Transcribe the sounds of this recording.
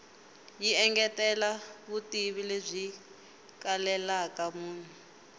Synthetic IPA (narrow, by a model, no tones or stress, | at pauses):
jiɛŋɡɛtɛlaβutiβilezʷi | kalɛlakamuːn̤u